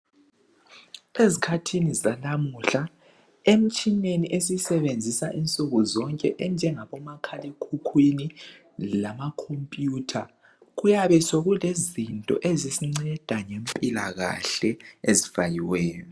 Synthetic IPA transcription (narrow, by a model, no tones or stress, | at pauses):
ezikʰatʰinizalamuɬa | em̩t͡ʃʼineniʔesisɛβend͡zʱisaʔint͡sʼuɣuzɔŋkʼɛʔɛnd͡ʒʱɛŋaβɔmakʰalekʰukʰwini | lamakʰompʼjuːtʰa | ɣujaβɛsoɣulezintʼɔ̰ʔezisiŋ͡ǀɛd̥ʱaŋempʼilaɣa̰ɬɛezifajiwɛːjɔ